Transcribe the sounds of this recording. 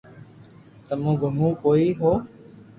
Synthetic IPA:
t̪əmũːɡʱəmũːkoːiːɦoː

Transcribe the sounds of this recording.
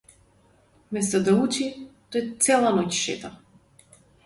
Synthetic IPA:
mɛst̪ɔd̪aut͡ʃit̪ɔɛt̪sʲɛlˠanɔcʲʃɛ̰t̪a

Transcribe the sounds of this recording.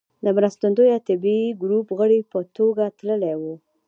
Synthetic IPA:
d̪əmɾəst̪and̪ojat̪ɪbiɡɾupɣəɽipət̪oɡat̪ləlewu

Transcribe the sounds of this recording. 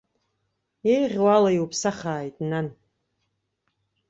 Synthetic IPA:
ejʁʲwalaiwupʰsaχaːjtʼnan

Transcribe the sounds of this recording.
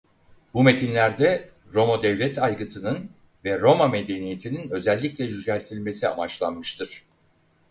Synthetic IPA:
bume̞t̪ʰinlʲæɾd̪ɛ | ɾo̞mod̪ɛvlʲɛt̪ajɡɯt̪ʰɯnɯn | vɛɾo̞mame̞d̪e̞nije̞t̪ʰininø̞zɛlʲːiclʲɛd͡ʒyzælʲt̪ʰilʲme̞sia̰mat͡ʃlˠanmɯʃt̪ʰɯɾ̥

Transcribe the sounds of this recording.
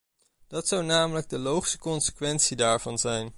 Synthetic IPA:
d̥ɑtsɑwnaːmələɡ̚dəlowχsə̥kɔnsə̥kʋɛntsidaːɹvɑnzɛjn

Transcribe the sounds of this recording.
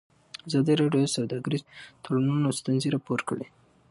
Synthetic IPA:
azɑd̪iɾɑɖjosawd̪ɑɡaɾizt̪olanunast̪anziɾɑpoɾkəɽe

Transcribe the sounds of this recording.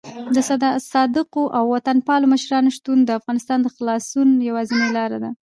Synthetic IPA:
d̪əsd̪sɑd̪əqoʔawːat̪anpɑloməʃɾɑnoʃt̪und̪əafɣɑnɪst̪ɑnd̪əxlɑsunjawazinelɑɾad̪a

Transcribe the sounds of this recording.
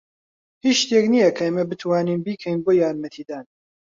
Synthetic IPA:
hiʃt̪eːknijɐkʰɐɐmɐbɨt̪ʰwaːniːnbiːkʰɛjnboːjaːɾmɐt̪ʰiːd̪aːn

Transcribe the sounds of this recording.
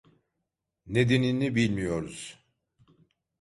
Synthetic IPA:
ned̪eninibilʲmijo̞ɾuz̥

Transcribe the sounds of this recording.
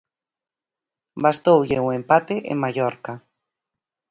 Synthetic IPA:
bast̪owʎeuẽmpat̪eʔḛŋmaʎoɾka

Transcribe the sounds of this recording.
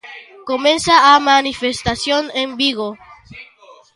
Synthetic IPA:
komẽnsaːmanifest̪asjonembiɣo

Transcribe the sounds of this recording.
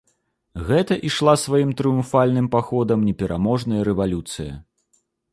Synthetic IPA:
ɣɛt̪ɐʔiʂlˠasvajimt̪ɾɨjumfalʲnɨmpaxɔd̪ɐmnʲɛpʲɛɾʔamɔʐnɐjɐɾɛvalʲut̪sɨjɐ̰

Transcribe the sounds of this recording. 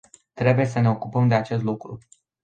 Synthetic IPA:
t̪ɾe̞buje̞s̬əne̞o̞kupəmd̪e̞at͡ʃe̞s̬t̪lukɾu

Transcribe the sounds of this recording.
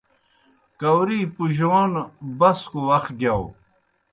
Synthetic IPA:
kɐwɾipuʑoonbɐskuwɐxɡjaw

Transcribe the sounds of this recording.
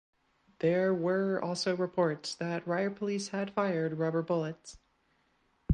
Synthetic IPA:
ðə˞wə˞ɔ̰lˠsoʊɹɨpʰɔɹtsðɨt̚ɹaɪə˞pʰəlishɨd̥faɪə˞d̚ɹʌbə˞bʊlˠɨts

